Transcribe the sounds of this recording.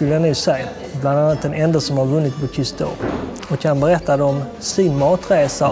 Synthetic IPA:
ɵlːəanʉsɛj | bland̪anːat̪ɛnɛnd̪asɔmhaɾvɵnːɪt̪bɔkʰʏst̪o̰ | ɔkʰːanbəɾɛt̪ːad̪ɛɔm | sɪnmɑːt̪ɾeːsa

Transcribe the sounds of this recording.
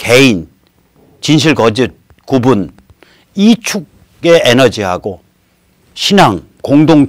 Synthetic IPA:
ke̞in | t͡ɕinɕ̬ʰiɭkʌd͡ʑi | kubun | it͡ɕʰuɡ̚ | eenʌd͡ʑiɦaɡo | ɕʰinaŋ | koŋdoŋ

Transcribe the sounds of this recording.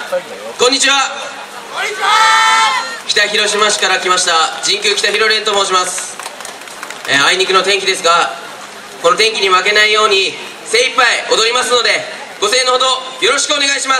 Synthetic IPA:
kõ̞ɲ̟ːit͡ɕiβa | kʲi̥t̪açiɾo̞ɕimaɕi̥kaɾakʲimaɕi̥t̪ad͡ʑĩŋkʲɯːkʲi̥t̪açiɾo̞ɾʲẽ̞nt̪omo̞ːɕ̬imasɨ̥ | aiɲ̟ikɯ̟no̞t̪ẽ̞ŋkʲid̪e̞sɨɡa | ko̞no̞t̪ẽ̞ŋk̬ʲiɲ̟imake̞naijo̞ːɲ̟i | se̞ːipːaio̞d̪o̞ɾʲimasɨno̞d̪e̞ | ɡ̥o̞se̞ːnohod̪o̞jo̞ɾo̞ɕi̥kɯo̞ne̞ɡaiɕimas

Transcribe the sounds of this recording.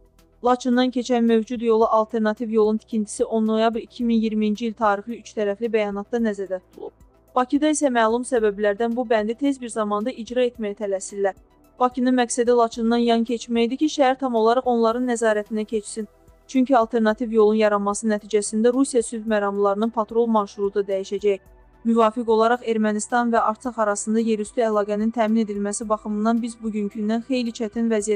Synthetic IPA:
lˠɑt͡ʃʰind̪ɑncʰe̞t͡ʃʰænmø̞vd͡ʒud̪jo̞lˠuʔɑlˠt̪ʰe̞ɾnɑt̪ʰivjo̞lˠunt̪ʰi̥cʰint̪ʰi̥siʔo̞nːo̞jɑbɾicʰiminjiɾmiind͡ʒiilt̪ʰɑːɾixliyt͡ʃt̪ʰæɾæflibæjɑnɑt̪̚d̪ɑnæzæd̪æt̪ʰut̪ʰulˠṵp̚ | b̥ɑcʰid̪ɑisæmæːlˠumsæbæbilæɾd̪ænbubænd̪it̪ʰe̞zbiɾzɑmɑnd̪ɑʔid͡ʒɾɑe̞t̪mæjæt̪ʰælæsilːæɾ | b̥ɑcʰinɯnmæksæd̪ilˠɑt͡ʃʰɯnd̪ɑnjɑncʰe̞t͡ʃmæjid̪iciʃæhæɾt̪ʰɑmolˠɑɾɑʁo̞nlˠɑɾɯnːæzɑːɾæt̪ʰinæcʰe̞t͡ʃsin | t͡ʃʰyɲcʰiɑlˠt̪ʰe̞ɾnɑt̪ʰivjo̞lˠunjɑɾɑmːɑsɯnæt̪ʰiːd͡ʒæsind̪æɾusijɑsyd̪mæɾɑmlˠlˠɑɾɯnɯnpʰɑt̪ɾo̞lˠmɑʃuɾud̪ɑd̪æjiʃæd͡ʒæj | myvɑːfiko̞lˠɑɾɑχe̞ɾmænist̪ɑnvæʔɑɾt̪ʰɑχɑɾɑsɯnd̪ɑje̞ɾyst̪yælˠɑːɡænint̪ʰæːmine̞d̪ilmæsibɑχɯmɯnd̪ɑnbizbuɟyncʰynd̪ænxe̞jlit͡ʃʰæt̪ʰinvæzijæ

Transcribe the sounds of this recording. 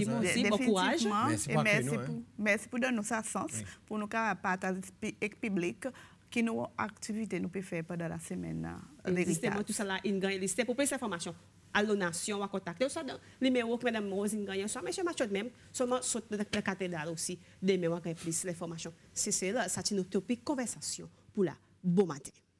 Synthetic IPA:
imɔ̃id̪ebfinkuʁaʒmɑ̃emɛsiumɛsi̥pud̪ɔ̃nːosasɑ̃spunũkavapat̪apɛkpyblikː | inõakt̪ivit̪enũpefɛʁpɑ̃d̪ɑ̃la̰səmɛ̰neait̪amɑ̃t̪usalaʔinɡãjɛ̃list̪epuplysɛ̃fɔʁmasjɔ̃ | alonasjɔ̃wakɔ̃t̪ak̚t̪eswad̪ɑ̃ | limeʁokəmɛd̪ãmːozinɡãjɛ̃swamɛ̃ʃɛmaʃot̪mɛ̃m | sœlmɑ̃sot̪̚lə̃kat̪ed̪ʁalosi | d̪emɛ̃w̃aɡ̃jɛ̃plyslɛ̃fɔʁmasjɔ̃seselasat̪inot̪opikːɔ̃vɛʁsasjɔ̰̃pula̰ | bɔ̃mat̪ʰɛ̥̃

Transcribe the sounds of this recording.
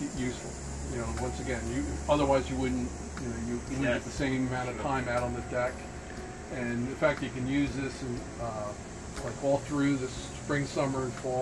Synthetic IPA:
jʉsfl̩ˠ | jɨnoʊwʌ̃nsɨɡɛ̃njɨʌðə˞waɪzjɨwʊdⁿn̩t | jɨnoʊjɨw̩ɨt̪̚ðɨsẽɪ̃məmãʊ̃ñtʌvtʰãɪ̃maʊɾn̩ðɨdɛk | ɨ̃nðɨfæk̚t͡ʃɨkɨ̃njʉzðɪsɨ̃n | ʌ | laɪkɔlˠθɹʉðɨs | pɹɪ̃ŋsʌmə˞ɨ̃nfɔ

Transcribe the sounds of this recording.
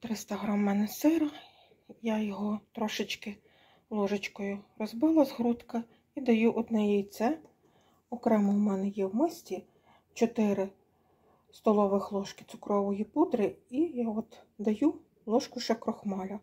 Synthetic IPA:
t̪ɾɪst̪ɐɦɾɑmːɛnɛsɪɾɐ | jajɔɦɔt̪ɾɔʃɪt͡ʃkɪ | lˠɔʒɪt͡ʃkɔjʊrɔzbɪlˠɐzɦɾut̪kɐ | id̪ɐjuʔɔd̪nɛjɛit̪sɛ | ɔkɾɛmʊmɛnɛjɛwmɪsʲtʲi | t͡ʃɔt̪ɪɾɪ | st̪ɔlˠɔʋɪxlˠɔʃkɪ̥t̪sʊkɾɔʋɔjipud̪ɾɪijaɔd̪d̪ɐju | lˠɔʃkʊʃɛkɾɔxmɑlʲɐ

